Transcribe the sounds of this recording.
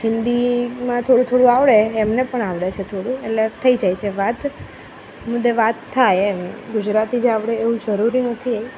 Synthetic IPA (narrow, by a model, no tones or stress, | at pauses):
ɦɪnd̪imãt̪ʰoɽũt̪ʰoɽũaʋɽeːmnepəɳaʋɽet͡ʃʰet̪ʰoɽũeʈlet̪ʰəid͡ʒajt͡ʃʰeʋat̪ | mʊd̪ʱːeʋat̪ʰːajemɡʊd͡ʒɾat̪id͡ʒaʋɽeːʋũd͡ʒəɾuɾinət̪ʰij